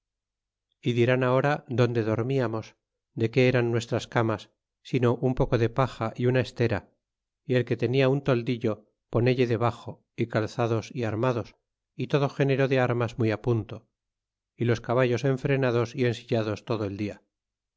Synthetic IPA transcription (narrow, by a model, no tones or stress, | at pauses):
iðiɾanao̞ɾaðo̞nd̪e̞ðo̞ɾmiamo̞s | d̪e̞ke̞eɾanːwe̞st̪ɾaskamasː | ino̞ʔumpo̞ko̞ðe̞paχaʔiunae̞st̪e̞ɾa̰ | ie̞lke̞t̪e̞niaunt̪o̞ld̪iʎo̞ | po̞ne̞ʎeðe̞βaχo̞ | ikalθaðo̞siaɾmaðo̞s | it̪o̞ðo̞xe̞ne̞ɾo̞ðe̞aɾmazmujapunt̪o | ilo̞skaβ̞aʝo̞se̞ɱfɾe̞nað̞o̞sie̞nsiʎaðo̞st̪o̞ðoe̞ld̪ia